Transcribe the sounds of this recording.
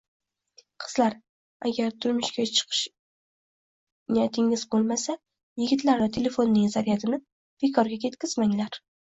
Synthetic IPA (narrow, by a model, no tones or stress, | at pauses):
qʰɨ̥z̥laɾ | a̰ɡʲaɾt̪ʰʊɾmʊʃɡʲat͡ʃʰɨ̥qʰɨ̥ʃ | nijat̪ʰɪŋɪzbolˠmasa | jɪɡʲɪt̪ʰlaɾvat̪ʰe̞le̞fo̞nːɪŋzaɾijat̪ʰɪnɪ | b̥e̞kʰɒɾɡʲakʰʲe̞t̪kʲɪz̥maŋlaɾ